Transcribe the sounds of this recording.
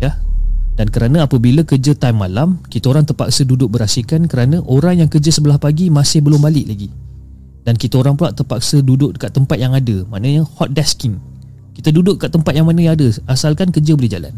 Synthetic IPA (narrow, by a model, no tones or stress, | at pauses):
jad̥ankəɾanə̃apəbilakərd͡ʒət̪ajmːalamkit̪aoɾaŋt̪ərpa̰ksədudʊk̚bəɾasikankəɾanə̃ʔoɾaŋjaŋkərd͡ʒəsəbəlahpaɡimãsɪhbəlʊmbalɪʔlaɡi | dankit̪aoɾaŋpulaʔt̪ərpak̚sədudʊʔdəkat̪ːəmpat̪̚jaŋadəmaʔnəɲəhɔt̪̚dɛskɪŋ | kit̪ədudʊʔkaʔt̪ːəmpat̪̚jaŋmanə̃jaŋadəasalkankərd͡ʒəbolɛhd͡ʒa̰la̰n